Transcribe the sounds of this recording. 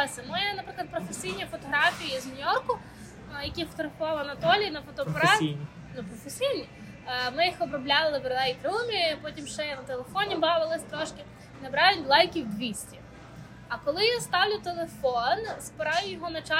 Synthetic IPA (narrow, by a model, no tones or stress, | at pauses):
sʲɐmɔjɛnɐpɾɪklˠɐt̪̚pɾɔfesʲijnʲifɔt̪ɔɦɾɑfʲijiznʲʊjɔrkʊ | jɐkʲifɔ̥t̪ɔɣɾɐfʊʋɑlˠɐnɐt̪ɔlʲiinɐfɔt̪ɔɑ | nʊpɾɔfesʲijnʲi | mɪjixɔbɾɔblʲɑlˠɪʋɾd̪ɛjkɾumʲipɔtʲimʃt͡ʃɛjɐnɐt̪elˠefɔnʲibɑʋɪlˠɪsʲt̪ɾɔʃkɪ | nɐbɾɑjʊtʲlˠɑjkʲiwd̪ʋʲisʲtʲi | ɐkɔlˠɪjst̪ɑwlʲʊt̪elˠefɔnspɪɾɑjʊjɔɦɔnɐt͡ʃɑ